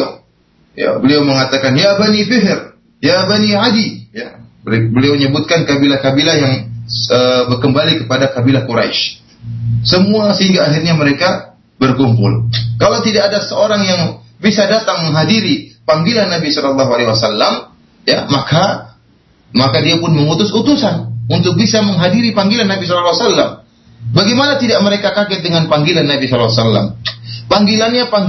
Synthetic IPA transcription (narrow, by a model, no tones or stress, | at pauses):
ja̰bəliawməŋat̪akanjabanifɪɦr | jabaniʕadijabəliawɲəbʊt̪̚kankabilakabilajaŋəbərkəmbalikəpadakabilakuɾa̰jʃ | səmuasəhiŋɡaːxirɲaməɾeka | bərkumpʊ̰lkalawt̪idaːdasəoɾaŋjaŋ | bisadat̪aŋməŋɦadiɾipaŋɡilanːabisɔlɔlːɑɦualewasalːam | jamaka | makadiapʊnməŋut̪ʊsut̪usanunt̪ʊk̚bisaməŋɦadiɾipaŋɡilanːabis̬ɔlɔlːasalːa̰m | baɡɛmanat̪idaʔməɾekakakɛt̪̚dəŋanpaŋɡilanːabisɔllwasalːa̰mpaŋɡilanɲapaŋ